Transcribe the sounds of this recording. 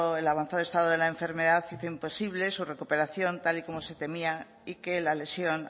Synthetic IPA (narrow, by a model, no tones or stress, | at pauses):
elaβan̟θaðoest̪aðoðelaeɱfe̞ɾmeðaθfiθoimposiβ̞le̞sure̞kupe̞ɾaθjo̞nt̪aliko̞mose̞t̪e̞mia | ikelale̞sjon